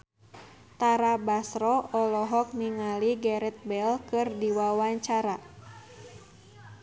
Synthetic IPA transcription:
t̪aɾabasɾɔɔlɔɦɔk̚niŋaliɡɛɾɛt̪̚bɛlkɨrdiwawaɲt͡ʃaɾa

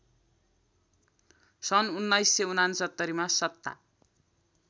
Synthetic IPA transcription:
sʌnunːʌjsːeunansʌt̪ːʌɾimasʌt̪ːa̰

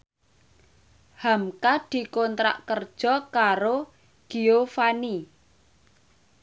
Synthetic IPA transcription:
hamkad̪̥i̤kont̪ɾa̰ʔkərd̥ʒ̥ɔ̤kaɾo | ɡ̥iofani

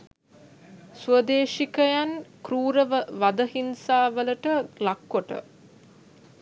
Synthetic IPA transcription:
suəd̪eːʃikəjankɾuːɾəʋəʋad̪əɦinsaːʋələʈəlakːoʈə̰

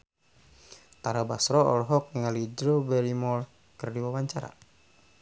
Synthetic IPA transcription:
t̪aɾabasɾɔɔlɦɔk̚nəŋalid͡ʒɾɔbɛɾimɔl | kɨrdiwawaɲt͡ʃaɾa̰

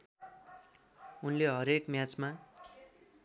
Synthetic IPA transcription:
unleɦʌɾekmjat͡sma

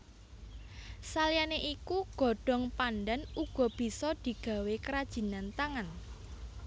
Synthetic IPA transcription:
salianeʔikuɡ̥ɔ̤ɖ̥ɔ̤ŋpanɖɛnuɡ̥ɔ̤b̥i̤sɔd̪̥i̤ɡ̥ä̤wekəɾad̥ʒ̥i̤nant̪aŋan

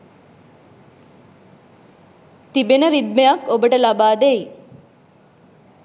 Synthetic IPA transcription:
t̪ibenəɾid̪mejɐkobəʈəlabaːd̪ei

